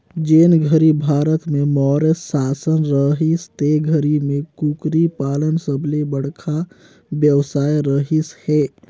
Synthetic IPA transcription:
d͡ʒenɡʱəɾibʱaɾət̪memɔɾesːasənɾəɦist̪eɡʱəɾimekukɾipalənsəbʱlebəɽ̤kʰa | bjəwsaːjɾəɦishe

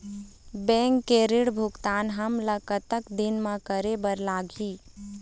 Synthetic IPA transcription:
bɛ̃ːŋkːeːɾɪɽbʱʊɡt̪aːnɦəmləkət̪əkd̪ɪnmãkəɾebəɾlaːɡʱiː

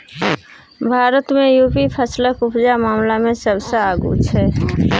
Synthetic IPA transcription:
bʱaːɾət̪mẽjuːpipʰəsləkʊpd͡ʒamaːmlamẽsəbseaːɡṵt͡ʃʰɛː

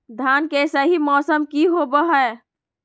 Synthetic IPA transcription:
d̪ʱankesəɦimɔsəmkiɦobəɦəe

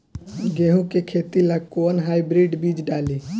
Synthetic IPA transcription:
ɡeːɦũkekʰet̪ilakonɦaːibɾiɖbiːd͡ʒɖaːliː

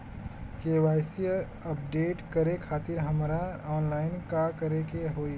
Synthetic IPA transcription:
keːʋaːjsi | əp̚ɖeːʈkəɾekʰaːt̪ɪɾɦəmɾaɔːnlaːɪnkakəɾekeɦoːi

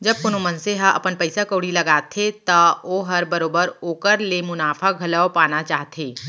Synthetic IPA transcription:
d͡ʒɐb̚kʊnumə̃nseɦaʔɐ̰pənpɐɪsakoːɽilɐɡaːt̪ʰet̪aoːɦɐɾbɐɾoːbəɾoːkəɾlemʊnaːfʰaɡʱɐlaopaːnat͡ʃaːɦt̪ʰeː

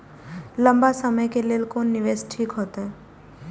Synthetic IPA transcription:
lɐ̃mbasɐməjkeleːlkoːnːɪʋeːsʈʰiːkɦoːt̪aɦɛː

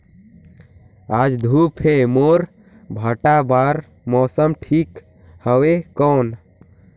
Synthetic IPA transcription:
ad͡ʒd̪ʱupʰemoɾ | bʱəʈabaɾ | mɔːsəmʈʰik | həwekɔːn

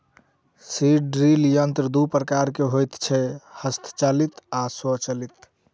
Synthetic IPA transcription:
siɖɾiljənt̪ɾəd̪upɾəkaɾkeɦojt̪t͡ʃʰɛhəst̪ʰt͡ʃalit̪asɔt͡ʃəlit̪

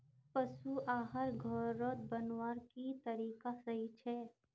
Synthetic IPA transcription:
pɐʃuʔaːɦəɾɡʱɔːɾːɔt̪̚bɐnwaːɾkit̪ɐɾiːkasɐɦit͡ʃʰɛː

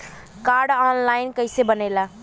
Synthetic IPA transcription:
kaːɾɖɔːnlaːɪnkəɪsebənela

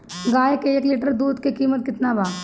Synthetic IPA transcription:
ɡaːjkeekleːʈəɾd̪uːd̪kekiːmət̪̚kɪt̪nabaːɡ

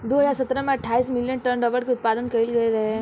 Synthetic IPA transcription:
d̪oːɦɐzaːɾsɐt̪ɾəmẽɐʈʰːaːiːsmɪljənʈəɾnɖɔːləɽkiʊt̪̚paːd̪ənkɐɾilɡɐeɾɐɦeɛ

